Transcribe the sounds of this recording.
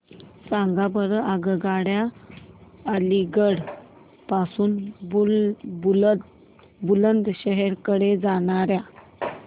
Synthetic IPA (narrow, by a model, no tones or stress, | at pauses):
sãŋɡabəɾəʔaɡəɡaɽja | əliɡəɽ | pasuːn | bulənd̪ɕəɦɛɾkəɽed͡zaɽ̃aɾja